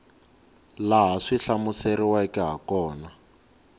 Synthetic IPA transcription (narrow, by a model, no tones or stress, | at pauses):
laɦaʂiɬamuseriwakɛɦa̰kɔːna